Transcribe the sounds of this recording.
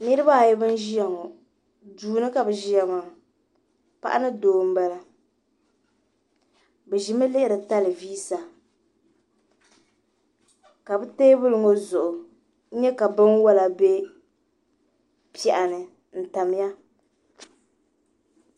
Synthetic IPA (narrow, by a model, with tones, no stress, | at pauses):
ni˦ɾɨ˦ba˦˨jɛ˦bɨ˦n˦ʒi˦ja˨ŋɔ˨ | duː˨nɨ˦ka˨bɨ˨ʒi˦ja˨ma˨ | pa̰˦ʔa̰˦nɨ˦doː˨m̩˦ba˦la˦ | bɛ˨ʒi˨˦mɨ˦lɪ˦ɪ˦ɾɨ˨ta˦lɨ˨viː˦sa˨ | ka˨bɨ˦teː˦bʊ˦lɨ˨ŋo˦zʊ˨ʔʊ˨˦ | ɲɛ˦ka˨bɨ˦nwɔ˦la˨be˦ | pɛ˨ʔa˨nɨ˨ | n̩˨ta˨m˦ja˦